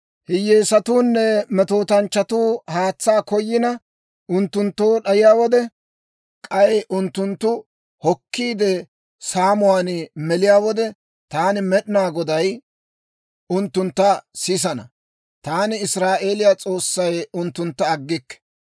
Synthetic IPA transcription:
hɪjːeːsɐt̪uːnːɛmɛt̪o̞ːt̪ɐnt͡ʃːɐt̪uːhaːt͡sːaːkɔjːɪnɐ | ʊnt̪ːʊnt̪ːo̞ːɗɐjɪjaːwɔd̪ɛ | kʼɐjɛʔʊnt̪ːʊnt̪ːʊ | hɔkʰːiːd̪ɛ | saːmʊwaːnmɛlɪjaːwɔd̪ɛ | t̪aːnɪmɛɗɪnaːɡɔd̪ɐj | ʊnt̪ːʊnt̪ːɐsɪs̬ɐnɐ̰ | t̪aːnɪɪsɾaːʔe̞ːlɪjat͡sʼo̞ːsːɐjʊnt̪ːʊnt̪ːɐːɡːɪkːɛ̥

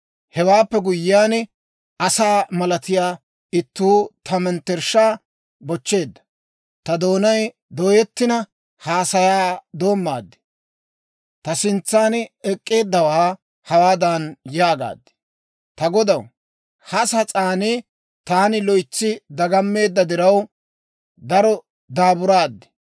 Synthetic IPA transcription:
hɛwaːpːɛɡʊjɪːjaːnɪ | ɐsaːmɐlɐt̪ɪjaː | ɪt̪ːuːt̪ɐmɛnt̪ːɛɾʃaː | bɔt͡ʃːe̞ːd̪ːɐ̥ | t̪ɐd̪o̞ːnɐj | d̪ɔjɛt̪ːɪnɐ | haːsɐjaːd̪o̞ːmːa̰ːd̪ːɪ̥ | t̪ɐsɪnt͡sːaːnɛkʼːe̞ːd̪ːɐwɐa | hɐwaːd̪anjaːɡa̰ːd̪ːɛ̥ | t̪ɐɡɔd̪ɐw | hɐsɐt͡sʼaːnɪ | t̪aːnɪlɔjt͡sːɪd̪ɐɡɐmːe̞ːd̪ːɐd̪ɪɾɐw | d̪ɐɾɔ | d̪aːbʊɾaːd̪ːɪ̥

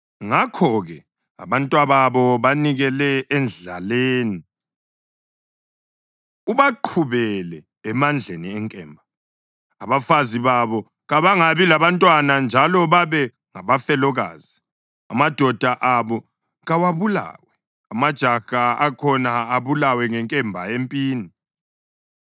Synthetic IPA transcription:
ŋakʰɔɣɛ | a̰βantʼwaβaβɔβaniɣɛlɛːnd͡ɮa̰leːni | uβaǃʰuβɛlɛː | mand͡ɮʱeniɛŋkʼɛːmbʱaː | βafaziβaβɔ | ɣaβaŋaβilaβantʼwanand͡ʒʱalɔβaβɛ | ŋaβafɛlɔɣa̰ːzi | amad̥ʱɔd̥ʱaʔaβɔ | ɣawaβula̰ːwɛ | amad̥ʒ̥ʱaɣaːkʰɔnaːβulawɛŋɛŋkʼɛmbʱaempʼiːni

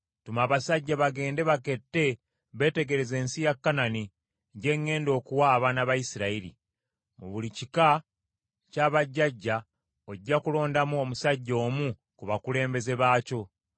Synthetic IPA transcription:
tumaːβasaɟːaβaɡe̞ːnde̞βake̞tːe̞ | βe̞ːte̞ɡe̞ɾe̞ze̞ːnsijakːanani | ɟe̞ŋːe̞ːndo̞ːkuwaːβaːnaβajisiɾaiɾḭ | mṵβulicika | caːβaɟːaɟːa | oɟːakulo̞ːndamuo̞musaɟːo̞ːmu | kuβakule̞ːmbe̞ze̞βaːco̞

